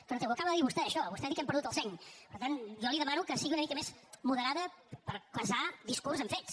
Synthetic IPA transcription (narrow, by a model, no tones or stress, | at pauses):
kɾɔt̪ewəkaβəðəðiβust̪ɛəʃɔəβust̪ɛðikɛmpəɾðut̪əlˠsɛɲpəɾt̪anʒɔliðəmanukəsiɣiunəmikəmezmuðəɾaðəpəɾkləsad̪iskurzəɱfet̪s